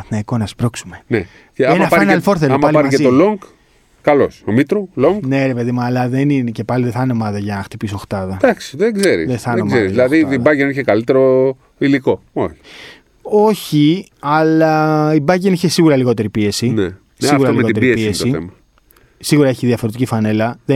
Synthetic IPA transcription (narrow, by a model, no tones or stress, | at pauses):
ɐθnɐikonɐspɾoksume̞ne | eenɐɐanɐlfoɾθelampɐlɐɾiet̪oloŋɡ | kɐlo̞̰somit̪ɾuloŋɡne̞ɾe̞pe̞ðimuɐlɐðe̞ninece̞pɐliðeθɐneomɐðɐʝɐnɐxt̪ipisoxt̪ɐðɐd̪ɐksi̥ðeɡze̞ɾisðeθɐnemzeɾizilɐðiibɐjeniçekɐlit̪eɾo | iliko̞ | o̰çi̥ | o̞çi | ɐlɐibɐʝeniçesiɣuɾɐliɣo̞t̪e̞ɾipie̞sine | siɣuɾɐliɣot̪eɾiespiesiemɐ | siɣuɾɐeçiðjɐfo̞ɾt̪icifɐne̞lɐðe